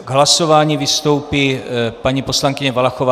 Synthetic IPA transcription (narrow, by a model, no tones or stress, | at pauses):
ɡɦlasovaːɲiːvɪst̪o̞wpipaɲiposlaŋkɪɲɛvalaxova